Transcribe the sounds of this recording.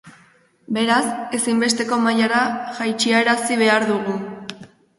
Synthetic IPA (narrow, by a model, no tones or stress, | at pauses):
be̞ɾase̞simbe̞st̪e̞ko̞majaɾaʝajt͡ʃiaeɾasiβ̞e̞aɾðuɣu